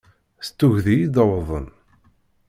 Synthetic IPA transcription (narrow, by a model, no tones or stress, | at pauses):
st̪ːuʝðijid̪əwðˤə̰n